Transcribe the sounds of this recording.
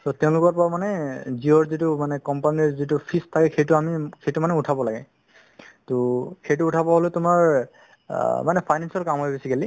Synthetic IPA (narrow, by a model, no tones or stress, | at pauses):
tɔtɛʊ̃lʊkɔɹpɔɹamanɛziɔɹzitʊmanɛkɔmpaniɹzitupʰistʰakɛxejtʊamixʰejtumanɛʊtʰabɔlaɡɛ | tʊxejtʊːtʰabɔɦoletʊmaɹ | manɛpʰajnansɔlkamɦojbisiɡeli